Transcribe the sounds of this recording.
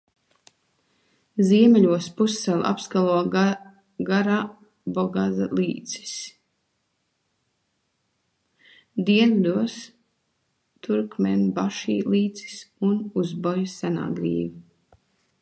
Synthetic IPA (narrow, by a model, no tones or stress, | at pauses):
ziɛmɛlʲuɔspusːɛla̰pskalˠuɔ | ɡaɾaː | bɔɡazalˠiːt̪si̥s | d̪iɛnd̪uɔs | t̪uɾkmɛnbaʃḭːlˠiːt̪si̥sunuzbɔjsæna̰ːɡɾḭːvi